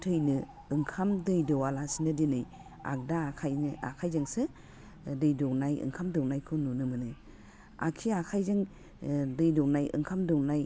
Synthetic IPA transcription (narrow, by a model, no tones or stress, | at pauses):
tʰɯjnɯ | ɯŋkʰamdɯjdɔwalasinɯdinɯj | a̰k̚daːkʰajnɯa̰kʰajzɯŋsɯ | dɯjdɔwnajɯ̰ŋkʰamdɯwnajkʰɯnunɯmɯnɯ | a̰kʰiakʰajzɯŋ | dɯjdɔwnajɯ̰ŋkʰamdɔwnaj